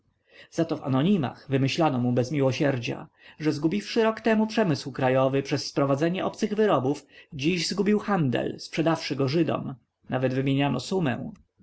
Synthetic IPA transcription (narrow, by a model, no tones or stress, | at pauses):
z̥at̪ɔva̰nɔɲima̰xvɘmɘɕlanɔmubɛzmʲiwɔɕɛɾd͡ʑa̰ | ʐɛzɡubʲifʂɘɾɔkt̪ɛmupʂɛmɘswkɾajɔvɘpʂɛsːpɾɔvad̪zɛɲɛʔɔpt̪sɘɣvɘɾɔbufd͡ʑiʑzɡubʲiwxand̪ɛ̰lspʂɛd̪afʂɘɡɔʐɘd̪ɔ̰m | navɛd̪vɘmʲjeɲanɔ̰sumɛ̰̃w̃